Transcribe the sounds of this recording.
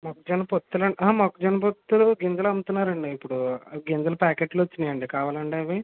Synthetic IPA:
mokɐd͡ʒɐnɐpot̪ːulɐɳɖʔɐɦmɐkɐd͡ʒɐnɐp̬ot̪ːuluɡend͡ʒɐlɐmut̪unːaːɾɐɳɖiipːuɽuɡend͡ʒɐlɐpaːkeːʈloʋot͡ʃːind̪ijɐɳɖikaːʋaːlɐɳɖeʋi

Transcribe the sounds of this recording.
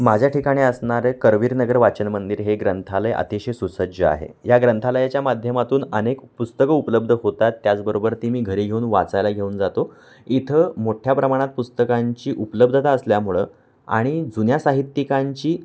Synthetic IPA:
mad͡ʑʱjaʈʰikaɽ̃iːəsɳaɾəkəɾʋiːɾnəɡəɾʋat͡ɕənmənd̪iːɾɦeɡɾənt̪ʰaləjə̰t̪iɕesusəd͡ʑəa̰ɦḛjaɡɾənt̪ʰaləjat͡ɕjamad̪ʱjəmat̪uːnənekpust̪əkəupələb̚d̪ʱəɦot̪at̪ːjat͡sbəɾobəɾt̪imiːɡʱəɾiːɡʱeunʋat͡sajlaɡʱeuːnd͡zat̪o | it̪ʰəmoʈʰjapɾəmaɽ̃at̪̚pust̪əkaɲt͡ɕiːʔupələbd̪ʱət̪aəsljam̤uɭə̰ː | a̰ɽ̃id͡zunjasaɦit̪ːikaɲt͡ɕiː

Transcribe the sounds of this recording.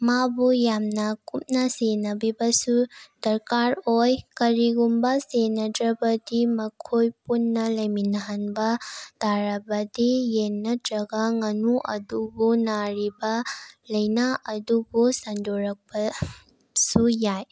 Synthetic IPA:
mabujamnɐkup̚nɐsenɐbibɐsud̥ɐɾkaɾojkɐɾiɡumbɐsenɐdɾɐbɐdimɐkʰojpunːɐlɐjminaɦanbɐd̥aɾɐbɐdijenːɐtɾɐɡɐŋɐnuʔɐdubunaɾibɐlɐjnaʔɐdubusɐndʱoɾɐk̚pɐ | sujaj

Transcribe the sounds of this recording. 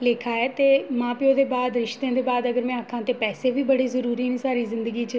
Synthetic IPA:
leːkʰaːɛːt̪eːmãːpɪõːd̪eːbaːd̪ɾɪʃt̪jãːd̪eːbaːd̪əɡəɾmɛ̃ːakʰːãːt̪eːpɛːseːʋiːbəɽeːzəɾuːɾiːnĩːsaːɾiːzɪ̃nd̪əɡiːt͡ʃə

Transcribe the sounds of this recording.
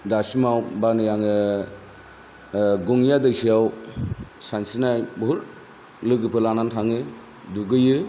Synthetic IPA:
dasimawbanɯjaŋɯ | ɡɔŋjadɯjsijaw | sansinajbɔɦuɾ | lɯɡɯpʰɯlanantʰaŋɯ | duɡɯjɯ

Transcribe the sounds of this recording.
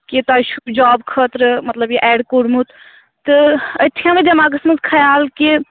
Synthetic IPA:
kit̪aːʃud͡ʒɔːbkʰət̪ɾmɐt̪ləbjiʔɛːɽkoɽmut̪ | t̪ɨɐt̪ʰjãːmed̪ɐmaːɡɐsmɐnzkʰɐjaːlki

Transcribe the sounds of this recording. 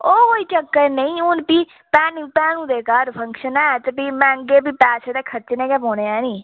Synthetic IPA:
oːkoːiːt͡ʃəkːəɾnəĩːʊnpiː | pɛːnpɛːnũːd̪eːkaːɾpʰə̃ŋkʃənɛːt̪epiːmɛ̃ːə̃ŋɡeːbiːpɛːst̪ekʰəɾt͡ʃnẽːkɛːpoːneɛːniː

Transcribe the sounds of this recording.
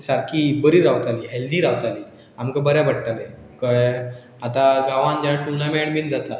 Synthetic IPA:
saɾkibəɾiɾawt̪aliːɦeld̪iːɾawt̪aliː | amkəbəɾjabəɽʈale | kəj | at̪aɡaʋãnd͡ʑanaʈunlameɳbind͡zat̪a

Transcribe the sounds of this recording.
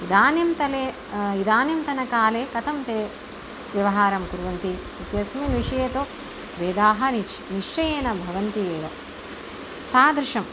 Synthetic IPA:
id̪aːnjɐmt̪ɐle | id̪aːnjɐmt̪ɐnɐkaːleːkɐt̪ʰɐmt̪eː | ʋjɐʋɐɦaːɾɐmkuɾuʋɐnt̪i | it̪jɐsminʋiʂɐjɐt̪oː | ʋeːd̪aːɦɐnit͡ʃniʂt͡ʃɐjeːnɐbʱɐʋɐnt̪ieːjo | t̪aːd̪ɾiʂɐm

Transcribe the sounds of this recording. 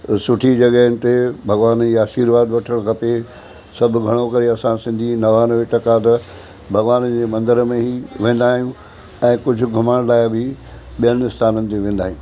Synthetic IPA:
sʊʈʰid͡ʑɐɠəɦənɪ̆t̪ebʱɐɡʋaːnd͡ʑiːaːʃiːɾʋaːd̪ʋɐʈʰəɽ̃kʰɐpe | sɐbʱʊ̆ɡʱɐɽ̃okɐɾeɐsãsɪ̃nd̪ʱinɐʋaːnʋeʈɐkaːt̪̬ɐ | bʱɐɡʋaːnd͡ʑeːmɐ̃nd̪əɾmẽɦiʋẽːn̆d̪aːɦijũ | ɛ̃ːkʊd͡ʑʱʊ̆ɡʱʊməɽ̃laːɪbʱi | ɓijənɪst̪ʰaːnənɪ̆t̪̬eʋẽːn̆d̪aːɦijũː

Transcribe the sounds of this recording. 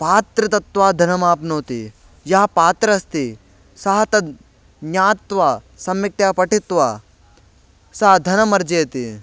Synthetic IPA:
paːt̪ɾɐt̪̬ɐt̪ʋaːd̪ʱɐnɐmaːpnoːt̪i | jɐɦɐpaːt̪ɾɐst̪i | sɐɦɐt̪ɐd̪ | aːt̪ʋaː | sɐmːik̚ʈjaːpɐʈit̪ʋaː | sɐɦɐd̪ʱɐnɐmɐɾd͡ʒeːt̪i

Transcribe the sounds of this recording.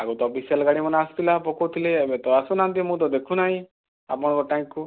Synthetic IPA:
aɡot̪ɔɔpʰisijəlɡaɽimɔnast̪ʰilapɔkot̪ʰileːbet̪ɔasunãnt̪̬imũt̪̬ɔd̪ekʰunaɦĩ | a̰p̬ɔɽ̃kɔʈaĩkːu

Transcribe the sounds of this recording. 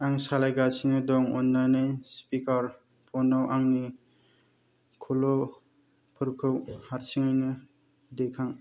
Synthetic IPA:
aŋsalajɡasinɯdɔŋɔ̰nːanɯjspikaɾ | pʰɔnawʔaŋni | kʰulɔ | pʰɯɾkʰɯwhaɾsiŋɯjnɯ | dekʰaŋ

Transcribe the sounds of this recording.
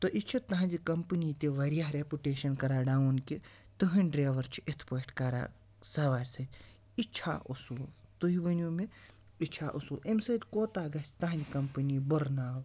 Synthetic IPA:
t̪oʔit͡ʃʰut̪ːaɦɐnd͡ʒikɐmpɨniːt̪iʋɐɾijaɦɾepʲuʈeːʃɐnkɐɾaːɖaːunki | t̪ɨɦɐnɖɾeːʋɐɾt͡ʃʰi̥et̪ʰpɐːʈkɐɾa̰ː | sɐʋaːɾʲsɐt̪ʲ | it͡ʃʰa̰ːʔusuːt̪uɦiʋɐnuːme | it͡ʃʰaːʔusuʔemʲsɐd̪ʲkoːt̪aːɡɐsʲʰt̪ɐɦnd͡ʒikɐmpɐniːbɐɾnaːw

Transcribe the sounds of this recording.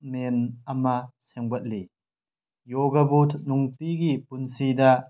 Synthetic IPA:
mɛnɐmasɛŋbɐt̪̚li | jɔɡɐbut̪ʰnuŋt̪iɡipunsid̪a

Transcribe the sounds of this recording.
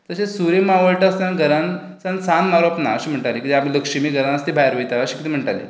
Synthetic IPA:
t̪əsesuɾemaʋəɭʈast̪anɡəɾan | sansanmaɾopna̰əɕiːm̤əɳʈalekid̪iamiləkʂimiːɡəɾanəst̪ibʱajɾʋəjt̪aəɕikit̪iːm̤əɳʈalḭː

